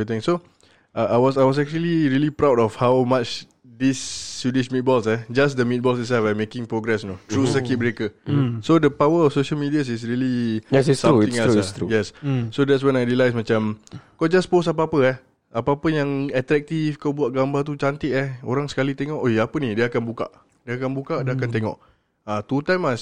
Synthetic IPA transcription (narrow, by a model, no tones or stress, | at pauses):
it̪ĩŋso | ʔaʔajwɔsajwɔs̬ɛk̚t͡ʃuəliɹiəlipɾawdɔfhawmat͡ʃ | d̪isːudismit̪̚bɔlsɛd͡ʒas̬dəmit̪̚bɔlsit̚sɛlfamekɪ̃ŋpɹoɡɾɛsnot̪ɾusəkit̚bəɾekəsodəpawəɔfsoʃəlmidias̬is̬ɹilijɛsissauĩŋastɾujɛsːodɛtswɛnajɹilajs̬mat͡ʃamkɔʔd͡ʒasposap̬əapəɛh | apapəjaŋɛt̪ɾɛk̚t̪ifkawbuaʔ̪̚ɡambat̪ut͡ʃant̪ɪʔɛho̰ɾaŋsə̥kalit̪eŋɔʔojapənidiəakanbuka̰ʔ | diakanbukadaakant̪eŋɔ̰ʔ | at̪ut̪ãjma